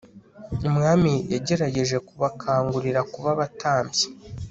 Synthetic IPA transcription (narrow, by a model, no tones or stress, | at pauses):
umŋaːmijaɟe̞ɾaɟe̞ʒe̞kuβakʰaːŋɡuɾiɾakuβaβatʰaːmbje